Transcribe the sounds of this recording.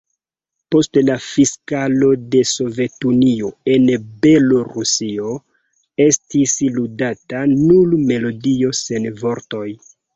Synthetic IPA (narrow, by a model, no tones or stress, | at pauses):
po̞stlafiskalo̞de̞so̞ve̞tunio̞e̞nbe̞lo̞ɾusio̞ | e̞stisludatanulme̞lo̞dio̞se̞nvo̞ɾto̞j